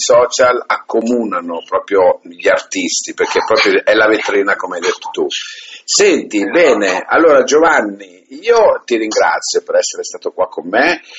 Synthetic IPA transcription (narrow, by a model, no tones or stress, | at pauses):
sɔːt͡ʃalakːomuːnanopɾɔːpɾjoʎiart̪ist̪iperk̟epːɾɔːpɾjoɛlavet̪ːɾiːnakomeajd̪et̪ːo̥t̪usɛnt̪ibɛːnea̰lːoːɾad͡ʒovanːi | iːot̪iɾiŋɡɾa̰t̪sːjopeɾɛsːeɾest̪aːt̪okwakʰːomːe